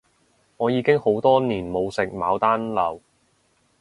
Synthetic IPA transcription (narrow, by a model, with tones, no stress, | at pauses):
ŋɔː˨˧jiː˨˧kɪ˥ŋho˨˥wt̪ɔː˥niː˨˩nmo˨˧wsɪ˨k̚maː˨˧wt̪aː˥nlɐ˨˩w